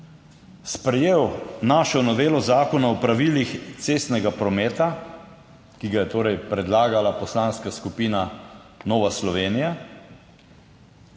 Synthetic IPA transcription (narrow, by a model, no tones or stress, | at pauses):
spɾɛjeːwnaːʃɔnɔʋeːlɔzaːkɔnaɔpɾaʋilixt̪seːst̪nɛɡapɾɔmɛːt̪a | kiɡajɛt̪oːɾɛjpɾɛd̪laːɡalapɔslaːnskaskupiːna | nɔːʋaslɔʋeːnija